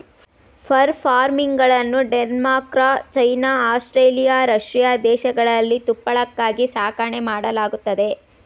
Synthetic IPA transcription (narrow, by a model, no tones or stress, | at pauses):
pʰɐɾpʰaːɾmiŋɡɡɐɭɐnːuɖenmaːkɾat͡ʃɐjnaːaːsʈɾeːlijaːɾɐʂɾijaːd̪ɛːʃɐɡɐɭɐlːit̪upːɐɭɐkːaːɡisaːkɐɳemaːɽɐlaːɡut̪ːɐd̪e̞